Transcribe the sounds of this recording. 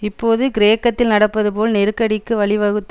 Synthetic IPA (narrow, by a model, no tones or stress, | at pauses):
ɪpːoːðɯɡɪɾeːkːɐt̪ːɪlnɐɽɐpːɐðɯpoːlnɛɾɯkːɐɽɪkːɯʋɐɭɪʋɐɣɯt̪ː